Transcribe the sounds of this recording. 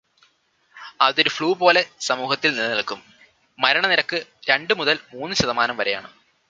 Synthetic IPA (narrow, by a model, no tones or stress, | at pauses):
ɐðo̞ɾufɭuːpo̞ːle̞sɐmuːhɐt̪ːilnilːɐnɐɭkːumː | ɐɾɐɳɐniɾɐkːɨɾe̞ɳɖɨmuðɐlmuːnːɨɕɐðɐmaːnɐmʋɐɾe̞ja̰ːɳɨ̰